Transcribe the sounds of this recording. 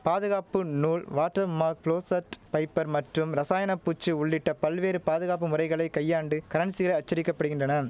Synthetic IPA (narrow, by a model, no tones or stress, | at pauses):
paːðɯɣaːpɯnuːɭʋaːʈːɐmaːk̚pɭoːsɐʈpɐɪpːɐɾmɐʈrɯmɾɐsaːjɐnɐpːuːt͡ʃːɯʊɭːɪʈːɐpɐlʋeːɾɯpaːðɯɣaːp̬ːɯmʊrɐɪɣɐɭɐɪkɐjːaːɳɖɯkɐɾɐnsɪɣɐɭɐɪɐt͡ʃːɐɾɪkːɐpːɐɽɯɣɪndrɐnɐ